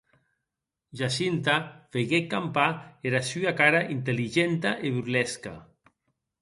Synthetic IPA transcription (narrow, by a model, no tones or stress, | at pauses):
ʒasint̪afeɣekːampaeɾasyakaɾaʔint̪eliʒent̪aʔeβuɾlɛska̰